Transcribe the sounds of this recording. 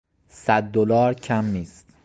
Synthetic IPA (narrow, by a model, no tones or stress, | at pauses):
sæd̪̚ːolɒːɾcʰæmːiːst̪